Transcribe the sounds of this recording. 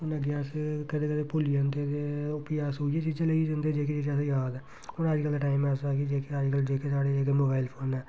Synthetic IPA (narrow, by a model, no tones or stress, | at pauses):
ɦʊnəɡjaːskəd̪eːkəd̪eːpoliãnt̪et̪eʊpijaːsɦoːieːt͡ʃiːd͡ʒãːləid͡ʒə̃nd̪eːd͡ʒeːk̬eːd͡ʒid͡ʒãːsjaːd̪ɛ | hʊnəd͡ʒkəlʈaːimɛsaːkid͡ʒeːkeəd͡ʒkəld͡ʒeːkesaːɽeːekemoːbaːilpʰoːnɛː